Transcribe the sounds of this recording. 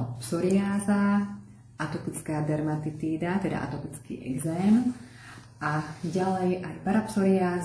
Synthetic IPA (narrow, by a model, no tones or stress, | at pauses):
psɔɾiaːza | ʔat̪ɔpit͡skaːd̪ɛɾmat̪it̪iːd̪at̪ɛd̪a̰ʔa̰t̪ɔpit͡skḭːʔɛ̰ɡzɛːm | aɟalɛjʔajpaɾapsɔɾiaːz